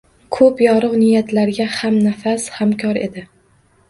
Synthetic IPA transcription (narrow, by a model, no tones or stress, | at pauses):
kʰɵpjɒɾɨqnɪjat̪ʰlaɾɡʲahamnafashamkʲʰɒɾe̞̰d̪ɪ